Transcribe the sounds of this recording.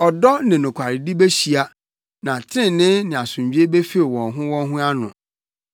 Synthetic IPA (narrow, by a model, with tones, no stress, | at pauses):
ɔ˨dɔ˦nɪ̃˨nʊ̃˨kʷʰa˨ɾɪ˨di˦be˦ɕi˨a˦ | nã˨tʰɪ̃˦˨nɪ̃˦nɪ̃˨a˨sʊ̃˨m˨d͡ʑᶣi˦e˦be˦fi˦˨wɔ̃˨nɦʊ̃˦wɔ̃˦nɦʊ̃˦a˦nʊ̰̃˨